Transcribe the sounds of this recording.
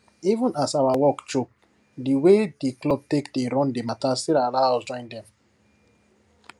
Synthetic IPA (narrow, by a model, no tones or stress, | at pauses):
ivũnasawawɔkt͡ʃok̚ | diwediklɔb̚tekdeɾɔ̃ndematastiɾalad͡ʒɔ̃ɪ̃ndɛ̃m